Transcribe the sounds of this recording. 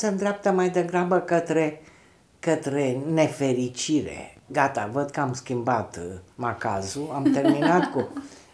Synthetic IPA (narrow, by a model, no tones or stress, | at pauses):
səɨnd̪ɾap̚t̪əmajd̪eɡɾabəkət̪ɾe̞ | kət̪ɾe̞ne̞fe̞ɾit͡ʃiɾḛɡat̪a̰vəd̪̚kəamskʲimbat̪makazuamt̪e̞rminat̪ku